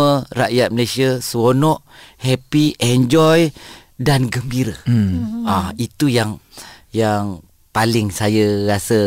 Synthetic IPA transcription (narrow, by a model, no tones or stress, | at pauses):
əra̰ʔjat̪̚məlesiəsəwonɔʔhɛpiʔɛɲd͡ʒɔj | danɡəmbiɾə | ait̪ujaŋ | jaŋ | palɪŋsajərasə